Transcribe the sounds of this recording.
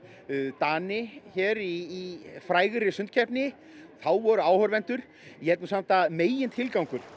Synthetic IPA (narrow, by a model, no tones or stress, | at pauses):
t̪aːnɪçɛːɾiːfɾaːjɣʏɾɪsʏnt̪̚cʰɛpnɪ | θawvɔɾʏaːwhœɾvɛnt̪ʏɾ̥ | jɛt̪nʏsam̥t̪ameːjɪnt̪ʰɪlkawŋkʏɾ̥